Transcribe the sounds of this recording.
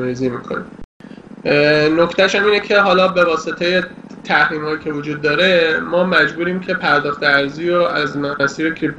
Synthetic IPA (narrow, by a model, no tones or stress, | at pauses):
ɾiziːmiːkʰo̰nḭ | nocʰt̪æʃæmiːne̞cʰe̞ɦɒːlɒːbe̞vɒːse̞t̪ʰe̞je̞ | t̪ʰæhɾiːmhɒːjiːcʰe̞vod͡ʒuːd̪̚ːɒːɾe̞mɒːmæd͡ʒbuːɾiːmcʰe̞pʰæɾd̪ɒːxt̪eæɾziːɾoʔæzmæsiːɾekʰɾip̚